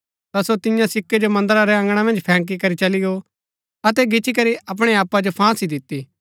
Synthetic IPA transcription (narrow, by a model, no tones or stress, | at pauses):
t̪asot̪ɪjãsɪkːed͡ʒomɐ̃nd̪əɾaɾɛɐ̃ŋɡɽ̃amɐ̃nd͡ʒpʰɛ̃ːk̬ikɐɾit͡ʃɐlɪɡo | ɐt̪̬ɛɡɪt͡ʃʰikɐɾiɐp̬ɽ̃eaːpːad͡ʒopʰãːsid̪ɪt̪ːiː